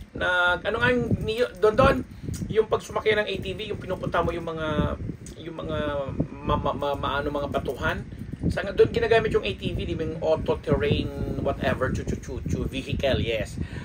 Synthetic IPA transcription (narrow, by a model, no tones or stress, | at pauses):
nɐɡʔɐnoŋɐŋnɪjod̪oʔond̪oʔon | jʊŋpɐɡ̚sʊmɐkɪjanɐŋʔejt̪iːvijʊŋpɪnuːpʊnt̪amojʊŋmɐŋa | jʊŋmɐŋamɐmamamɐʔaːnoŋmɐŋapɐt̪uɦansaŋad̪oʔonɡɪnaːɡaːmɪt̪jʊŋʔejt̪ivid̪imɛŋʔot̪ot̪ɛɹɛjnwɐt̪ɛ̰vɛɹt͡ʃʊt͡ʃʊt͡ʃut͡ʃʊvihɪkɐljɛs